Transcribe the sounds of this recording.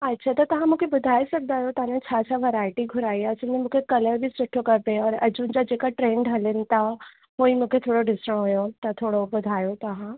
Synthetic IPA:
ɐtːɕʰat̪ɐt̪ɐʋ̤ãmũːkʰebʊd̪ʱaːisɐɡ̚d̪aːɦjot̪ɐɦãnẽt͡ɕʰat͡ɕʰaʋɐɾaːɪʈiɡʱʊɾaːiasəmẽmũːkʰekɐləɾbʱisʊʈʰokɐɾpeɔːɾɐd͡ʑund͡ʑad͡ʑeːkaʈɾẽːɳɖɦɐlənɪ̆t̪ʰa | ɦoːĩmũːkʰet̪ʰoːɽoɖɪsəɽ̃ɦojot̪ɐt̪ʰoːɽobʊd̪ʱaːjot̪ɐɦã

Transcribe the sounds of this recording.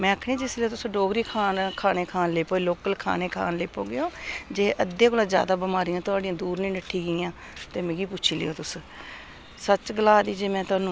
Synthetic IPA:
mɛ̃ːakʰɽẽːd͡ʒɪsleoːt̪ʊsɖoːɡɾiːkʰaːnkʰaːneːkʰaːnleːpoːloːkəlkʰa̰ːneːkʰa̰ːnleːpoːɡejoːd͡ʒeːʔəd̪ːẽːkolãːd͡ʒja̰ːd̪aːbəmaːɾijãːt̪ʊaːɖɪjãːd̪uːɾnĩːnəʈʰːiːɡəijãː | t̪eːmɛ̃ːɡiːpʊt͡ʃʰiːlḛjoːt̪ʊs | sət͡ʃɡəlaːd̪iːd͡ʒeːmɛ̃ːt̪ʊaːnũː

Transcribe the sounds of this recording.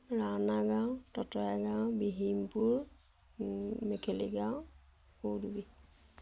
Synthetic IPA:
ɹanaɡawtɔtɔjaɡawbiɦimpuɹ | mɛkʰeliɡaw | udubi

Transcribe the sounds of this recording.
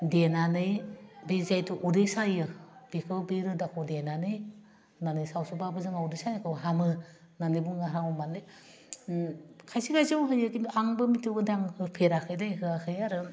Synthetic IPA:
denanɯjbezajtʰuʔudesajɯb̥ikʰɯbeɾɯdakʰowdenanɯj | nanɯjsawsubabɯzɯŋaudɯsajnɯkʰɯwɦamɯ | nanɯjbuŋɡaɾaŋɔmanlɯ | kʰajsiɡajzɯwɦɯjɯkinaŋbɯmitʰɯɡɯdaŋhɯpʰeɾakʰɯjdajɦɯakʰɯjaɾɯ

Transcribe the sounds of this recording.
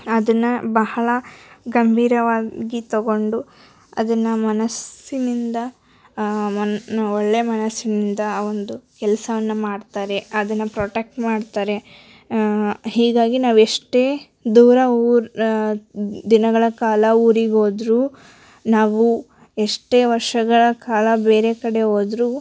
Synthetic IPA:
ɐd̪ɐnːɐbɐhɐɭɐɡɐmbʱiːɾɐʋaːɡit̪oɡo̞ɳɖu | ɐ̰d̪ɐnːɐmɐnɐsinind̪ɐ | mɐoɭːe̞mɐnɐsːinind̪ɐond̪ukɛlɐsɐʋɐnːɐmaːɖt̪aːɾe̞ɐd̪ɐnːɐpɾoːʈek̚ʈmaːɖt̪aːɾe̞ | ɦiːɡaːɡinaːʋueʂʈe̞ː | d̪uːɾɐuːɾ | d̪inɐɡɐɭɐkaːlɐuːɾiɡo̞ːd̪ɾuː | naːʋu | eʂʈe̞ːʋɐɾʂɐɡɐɭɐkaːlɐbe̞ːɾe̞kɐɽe̞oːd̪ɾuː

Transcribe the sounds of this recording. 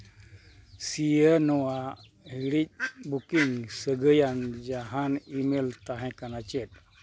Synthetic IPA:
sijənɔʋa | ɦiɽit̚bukiŋɡsəɡəjand͡ʑaɦãnimelt̪aɦɛ̃kanat͡ɕet̚

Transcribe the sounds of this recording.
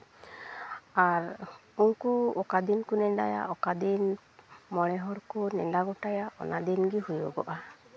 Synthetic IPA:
aɾuŋkuɔkad̪inkunɛɖa̰ja̰ʔɔkad̪in | mɔɽɛɦɔɽkɔnɛɳɖaɡɔʈajaʔɔ̰nʔad̪inɡihujɔɡɔ̰ʔa

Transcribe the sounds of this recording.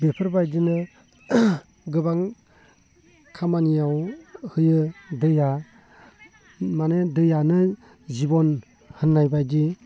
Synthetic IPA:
bepʰɯɾbajdinɯ | ɡɯbaŋ | kʰamanijawhɯjɯdɯja | manedɯjanɯ | zibɔn | hɯnːajbajdi

